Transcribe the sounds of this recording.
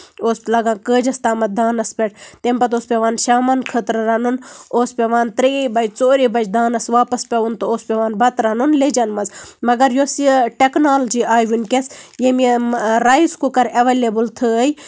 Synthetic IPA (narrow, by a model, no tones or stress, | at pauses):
oːslɐɡãːkəːd͡ʒɐst̪aːmɐt̪̚d̪aːnɐspʲɛʈ̚ʰt̪empɐt̪oːspʲeʋaːnʃaːmɐnkʰət̪ɾɾɐnunoːspʲeʋãːnt̪ɾeːbɐd͡ʒt͡soːɾibɐd͡ʒd̪aːnɐsʋaːpɐspʲɐunt̪ooːspʲeʋaːnbɐt̪ɾɐnunled͡ʒɐnmɐzmɐɡɐɾjosiʈeknaːld͡ʒiːʔaːjʋinkʲesjemiɾaizkukɐɾɐʋeːleːbɨlt̪ʰɨəi